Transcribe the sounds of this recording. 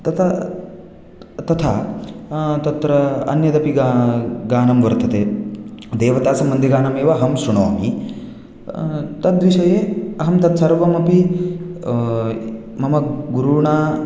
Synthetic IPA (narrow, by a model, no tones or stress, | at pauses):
t̪ɐt̪ʰɐ | t̪ɐt̪ʰa | t̪ɐt̪ɾɐɐ̰njɐt̪ɐpiɡaɡaːnɐmʋɐɾt̪ʰɐt̪eːd̪eːʋɐt̪aːsɐmːɐnd̪ʱiɡaːnɐmeːʋɐɐɦɐmsuɳo̰ːmḭ | t̪ɐd̪ʋiʃɐjeːɐɦɐmt̪ɐt̪sɐɾʋɐmɐpi | mɐmɐɡuɾuɳaː